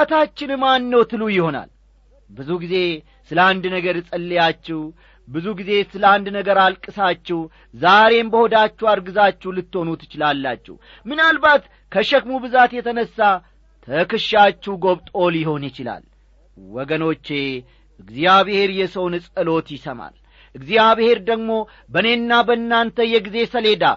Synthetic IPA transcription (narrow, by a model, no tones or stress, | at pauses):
at̪ʰat͡ʃːɪnmanːəwt̪ʰɨlujɪho̞na̰l | bɨzuɡize̞ | sɨləand̪nəɡəɾsʼəlːijat͡ʃːɛw | bɨzuɡize̞sɨləand̪nəɡəɾalkʼːɨsat͡ʃːɛw | zaɾe̞mbəho̞d̪at͡ʃːuwaɾɡɨzat͡ʃːɛwlɨt̪ːo̞nut̪jɪt͡ʃɪlalːat͡ʃːɛ̰w | mɨnalbat̪ | kʰəʃɛkmubɨzat̪jɛt̪ʰənəsːa | t̪ʰəkɨʃat͡ʃːɛɡo̞βt̪ʼo̞ljɪho̞njɪt͡ʃɪla̰l | wɔɡəno̞t͡ʃːe̞ | ʔɨɡzjaβhe̞ɾjɛsəwnɨsʼɨlo̞t̪jɪsəma̰l | ʔɨɡzijaβhe̞ɾd̪əɡmo̞ | bəne̞nːabənːant̪ʰəjɛɡize̞səle̞d̪a̰